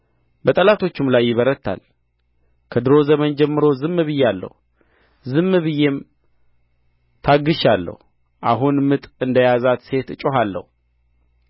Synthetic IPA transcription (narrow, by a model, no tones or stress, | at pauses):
bət̪ʼəlat̪ʰo̞t͡ʃːɪmlajːɪβəɾət̪ʰːa̰l | kʰəd̪ɨɾo̞zəmənd͡ʒɛmːɨɾo̞zɨmːɨβɨjɛalːə̰hu | zɨmːɨβɨjem | t̪ʰaɡːɨʃalːə̰hu | ʔa̰ɦunmɨt̪ʼɨnd̪əjazat̪se̞t̪ɨt͡ʃʼoɦalːə̰hu